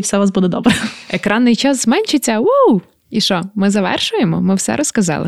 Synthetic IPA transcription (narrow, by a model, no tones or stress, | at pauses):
wsɛʋasbud̪ɛd̪ɔbɾɛekɾɑnːɪjt͡ʃɑszmɛnʲʃɪt͡sʲːɐuw | iʃɔmɪzɐʋɛ̰rʃʊjemɔmɪwsɛ̰ɾɔskɐzɑ̰lˠɪ̰